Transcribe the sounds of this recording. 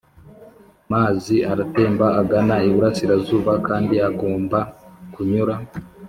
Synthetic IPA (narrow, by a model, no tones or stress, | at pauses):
maːziaɾate̞ːmbaaɡanaiβuɾasiɾazuːβakaːndiaɡoːmbakuɲuɾa